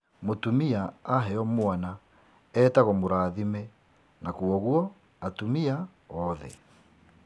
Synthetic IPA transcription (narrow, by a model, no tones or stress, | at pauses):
motumiaːɦɛɔmwana | ɛːtaɣɔmoɾaːðimɛ | nakuɔɣuɔ | atumia | ɔðɛ̰